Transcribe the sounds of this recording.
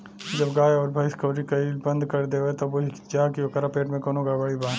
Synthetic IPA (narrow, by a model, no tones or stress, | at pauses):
d͡ʒɐbɡaːjɔːɾbʱɐɪskɐːɾikaibɐ̃nd̪kɐɾd̪eːoet̪ɐʋoɪd͡ʒaːkiokɐɾapeːʈmẽkoːnõɡabɐɽibaː